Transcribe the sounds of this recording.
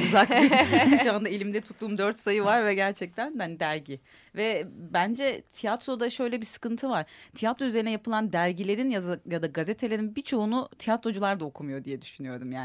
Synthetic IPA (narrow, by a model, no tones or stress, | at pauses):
yzak̚iuand̪ailʲimd̪ɛt̪ʰu̥t̪ːuːmd̪øɾt̪sajɯvaɾvɛɟæɾt͡ʃʰɛc̚t̪ʰænand̪æɾɟi | vɛbænd͡ʒɛt̪ʰijat̪ɾo̞d̪aʃø̞jlʲɛbisɯ̥kɯnt̪ʰɯvaɾ̥t̪ʰijat̪ɾoyze̞ɾinɛjapʰɯlˠand̪æɾɟilʲeɾinjazjad̪aɡazet̪ʰe̞lʲeɾinbit͡ʃʰo̞ːnut̪ʰijat̪ɾo̞d͡ʒulˠaɾd̪aokʰumajo̞d̪ijɛd̪yʃynyjo̞ɾd̪umjaː